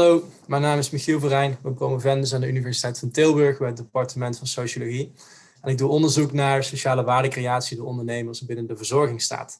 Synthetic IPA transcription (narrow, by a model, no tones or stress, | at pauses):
lowmɛjnaːmɪsmixilˠvərɛjnʋəbrowməvɛndəs̬aːndəynivɛɹsi̥tɛjtfɑntɪlˠbɵɹxbɛjədepɑɹtəmɛntfɑnsowʃoloɣi | ɛnɪɡ̚duʔɔndəɹzuknaːɹsowʃaːləʋaːɹdəkrejaːtsidəɔndəɹnejməɹsbɪnəndəvəɹzɔɹɣɪŋsta̰ːt